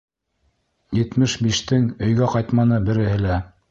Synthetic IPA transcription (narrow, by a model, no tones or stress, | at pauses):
jɘ̆t̪mɘʃbiʃt̪ɘŋɵ̆jɡæqɑjt̪mɑnɤbɘ̆ɾɘ̆hɘlæ